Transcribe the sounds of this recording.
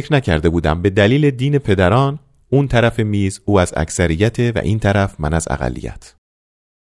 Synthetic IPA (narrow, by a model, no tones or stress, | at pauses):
fkɾnæcʰæɾd̪e̞buːd̪æ̰mbe̞d̪æliːle̞d̪iːne̞pʰe̞d̪æɾɒːn | uːnt̪ʰæɾæfe̞miːzuːæzæ̰csæɾijːæt̪ʰe̞væ̰ʔiːnt̪ʰæɾæfmænæzæ̰ɣæ̰lːḭjæ̰t̪ʰ